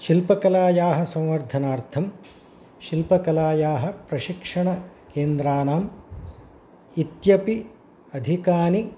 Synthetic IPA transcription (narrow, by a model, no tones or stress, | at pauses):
ʃilpɐkɐlaːjaːɦɐ̆sɐ̃w̃ʋɐɾd̪ʱɐnaːɾt̪ʰɐm | ʃilpɐkɐlaːjaːɦɐpɾɐʃikʂɐɳɐkeːnd̪ɾaːnaːm | it̪jɐpi | ɐd̪ʱikaːni